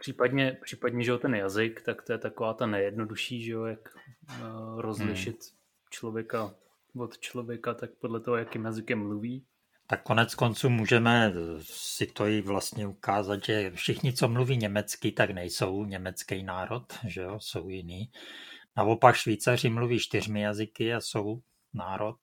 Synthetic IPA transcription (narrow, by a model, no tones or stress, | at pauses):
pr̥ipadɲɛpr̥iːpadɲɛʒɛot̪ɛnjazɪkt̪akt̪ojɛt̪akovaːt̪anɛjɛdnoduʃiːʒɛojak | ɾozlɪʃɪt̪ | t͡ʃlovjɛka | vot̪t͡ʃlo̞vjɛkat̪ak̚podlɛt̪oɦojakjimjazɪkɛmːluviː | t̪akːo̞nɛt͡sko̞nt͡suːmuːʒɛmɛ | sɪt̪o̞jɪvlast̪ɲɛukaːzat̪ʒɛfʃɪxɲɪt͡so̞mluviːɲɛmɛt͡skɪt̪aknɛjso̞wɲɛmɛt͡skɛjnaːɾo̞t̪ʒɛo̞so̞wjɪniːnao̞pakʃviːt͡sar̝ɪmluviːʃt̪ɪr̝mɪjazɪkɪaso̞w | naːɾʔo̞t̪̚